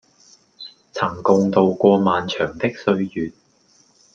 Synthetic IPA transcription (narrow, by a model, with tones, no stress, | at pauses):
t͡sʰɐ˨˩ŋkʊ˧ŋt̪o˨˧wkʷɔː˧maː˨˧nt͡ʃʰœː˨˩ŋt̪ɪ˥k̚sɵ˧ɥjyː˨t̚